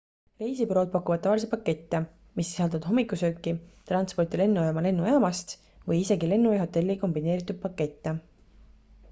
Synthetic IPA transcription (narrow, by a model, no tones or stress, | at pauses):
re̞jsibro̞ːd̪̚pɑkːˑuvɑd̪ːɑvɑlisepɑkːe̞t̪ːe | misːi̥sɑld̪ud̪̥ɦo̞mːikːˑusøkːit̪rɑnt̪spo̞rt̪ile̞nːujɑːmɑle̞nːujɑːmɑst̪ | vɤjise̞ɡile̞nːujɑɦo̞t̪ːe̞lʲːiko̞mbine̞ːɾit̪ːˑud̥̪̚pɑkːe̞t̪ːe